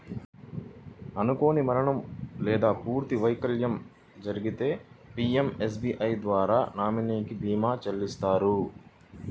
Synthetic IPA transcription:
ɐnuko̞ːnimɐɾɐɳɐmlɛːd̪aːpuːɾt̪iʋɐjkɐljɐm | d͡ʒɐɾiɡit̪e̞ːpiːemes̬biːʔɐjd̪ʋaːɾaːnaːminiːkibʱiːmaːt͡ʃɐlːist̪aːɾu

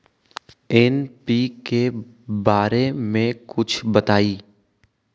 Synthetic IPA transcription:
ɪnpiːke | baːɾemẽkʊt͡ʃʰbɐt̪aːiː

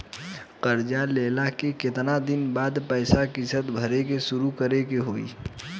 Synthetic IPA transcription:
qəɾd͡ʒaleːlakekɪt̪nad̪ɪnbaːd̪pɛɪsakɪsət̪bʱəɾekesʊɾukəɾekeɦoːḭː

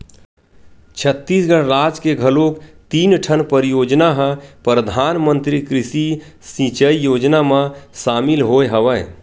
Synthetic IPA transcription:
t͡ʃʰət̪ːisɡəɽɾad͡ʒkeɡʱəlokt̪iːnʈʰənpəɾijod͡ʒnaɦə̃pɾəd̪ʱanmənt̪ɾikɾisi | sĩt͡ʃəijod͡ʒnamãsamilɦojɦəʋə

